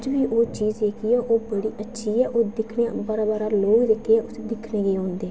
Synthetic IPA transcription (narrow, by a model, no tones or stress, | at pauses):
d͡ʒʋiːʔoːt͡ʃiːzeːkiːɛːʔoːbəɽiːʔətːʃʰiːɛːʔoːd̪ɪkʰneːbaːɾaːbaːɾaːloːɡid̪ekʰːeːɛːʊsd̪ɪkʰneːɡəːɦõːnd̪eː